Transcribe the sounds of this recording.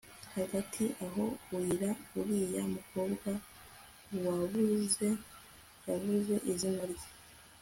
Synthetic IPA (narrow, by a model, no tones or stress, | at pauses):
haɡatʰiʔaɦo̞iɾauɾijamukoːbɡwa | ɾwaβuze | jaβuze̞ʔizimaɾ